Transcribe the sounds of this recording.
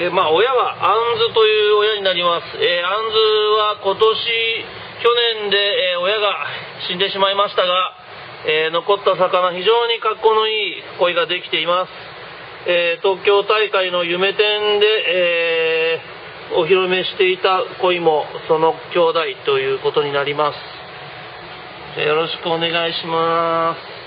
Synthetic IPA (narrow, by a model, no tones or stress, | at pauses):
emaːo̞jaβaãnzɨt̪o̞jɯ̟ːo̞jaɲ̟inaɾʲimasɨ̥eãnd͡zɨβako̞t̪o̞ɕi | kʲo̞nẽ̞nd̪e̞o̞jaɡa | ɕĩnd̪e̞ɕimaimaɕi̥t̪aɡa | eːno̞ko̞t̪ːasakanaçiʑo̞ːɲ̟ikakːo̞no̞iːko̞iɡad̪e̞kʲi̥t̪e̞imasɨ̥ | eːt̪o̞ːkʲo̞ːt̪aikaino̞jɯ̟me̞t̪ẽ̞nd̪e̞eː | oçiɾo̞me̞ɕi̥t̪e̞it̪ako̞imo̞so̞no̞kʲo̞ːd̪ait̪o̞jɯ̟ːko̞t̪o̞ɲ̟inaɾʲimasɨ̥ | d͡ʑa̰jo̞ɾo̞ɕi̥kɯ̟o̞ne̞ɡaiɕimasɨ̥